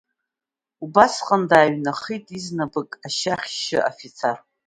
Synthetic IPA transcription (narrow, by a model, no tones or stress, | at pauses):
ubasqʼəndaːɥnaχijtʼiznabɨkʼaʃaχʲʃɪ̰ʔa̰fit͡sʰar